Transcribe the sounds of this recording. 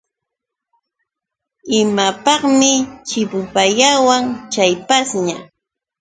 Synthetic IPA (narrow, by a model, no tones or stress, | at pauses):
ɪmapɑχmɪt͡ʃɪpʊpaʎawaŋt͡ʃajpasɲa